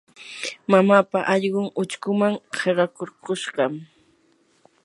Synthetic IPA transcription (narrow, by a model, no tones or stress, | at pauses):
mamapaʔɑʎɢʊŋʊt͡ʃkʊmaŋheɾɑkoɾɢoʃɢɑm